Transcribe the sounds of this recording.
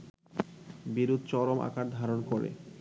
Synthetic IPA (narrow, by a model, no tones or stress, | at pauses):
biɾud̪ʱt͡ɕɔɾoma̰kaɾd̪ʱaɾonkoɾḛ